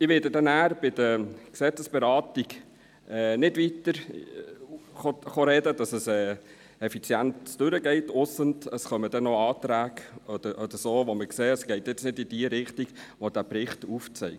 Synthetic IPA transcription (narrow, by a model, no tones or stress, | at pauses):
ɪʋɪdədɛnæːɾb̥ɪd̥əksɛt͡səsb̥ɛɾɑːtiɡ | ɛːnɪdʋit̪əɾ | χoχoɾɛdəd̥ɑsəsɛː | ɛfit͡sjæntsd̥ʉɾəɡɛɪtʊsəntəsχœməd̥ɛnoɑːtɾæːɡɔd̥̪əɾʔɔd̥̪əɾsoːʋoməkseːəsɡ̥ɛɪtjɪt͡snɪdid̥iəɾɪχtiɡʋodæpɾɪχtuft͡sɛ̰ɪk